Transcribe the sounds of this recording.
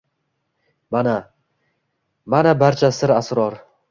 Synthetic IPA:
mana | manabaɾt͡ʃʰasɪɾasɾɒɾ

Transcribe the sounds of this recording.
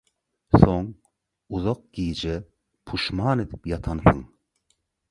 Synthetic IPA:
soŋ | uzoq̚ɡ̥iːd͡ʒɛ | pʰuʃmɑːnɨd̪pjɑt̪ʰɑnθɨŋ

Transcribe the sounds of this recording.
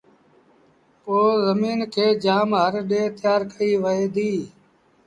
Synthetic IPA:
poːzəmiːnkʰeːd͡ʒaːmɦəɾɗeːt̪ɪjaːɾkʰəiːʋəeːd̪iː

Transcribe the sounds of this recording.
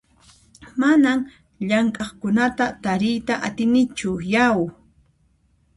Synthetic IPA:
manam | ʎaŋkʼɑχkʊnat̪at̪aɾɪjt̪aʔat̪ɪnɪt͡ʃʊjaw

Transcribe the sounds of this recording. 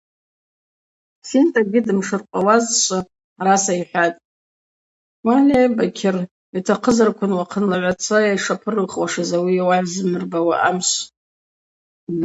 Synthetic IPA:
sintʼaɡʲɪdɨmʂɨrqʷʼawazʃʷaː | ɾasaiħʷᶣatʼ | wanebakʲʰɪr | itʰaqʰəzarkʷʰʊnwaqʰənlaʕʷat͡sʷʰajajʂapʰɨrɨχwaʂazawiawaʕzɨmɨrbawaʔamʃʷ

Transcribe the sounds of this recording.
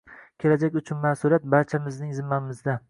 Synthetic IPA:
kʲʰe̞lad͡ʒakʲʊt͡ʃʰʊnmasʊɾat̪̚baɾt͡ʃʰamɪznɪŋzɪmːanɪmɪzd̪a

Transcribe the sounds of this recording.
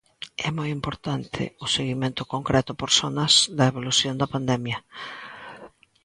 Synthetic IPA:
ɛmojimpoɾt̪ant̪ʰɪ̰ʊseɣimẽnt̪ʊkoŋkɾɛt̪ʊpoɾsonɐsd̪ɐeβ̞oluθjond̪ɐpand̪ɛmjɐ

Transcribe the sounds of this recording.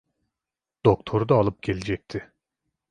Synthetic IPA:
d̪̥okt̪ʰo̞ɾud̪aːlˠɯp̚ɟ̥ʲe̞lʲed͡ʒɛc̚t̪ʰɪ

